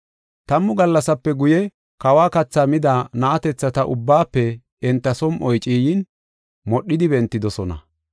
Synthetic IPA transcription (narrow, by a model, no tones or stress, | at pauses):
t̪ɐmːʊɡɐlːɐsɐpːɛɡʊjɛ | kɐwaːkɐt͡sːaːmɪd̪anaːt̪ɛt͡sːɐt̪ɐʔʊbːaːpːɛ | ɛnt̪ːɐsɔmʔɔjt͡ʃʼiːjin | mɔɗːɪd̪ɪbɛnt̪ːɪd̪ɔsɔnɐ̰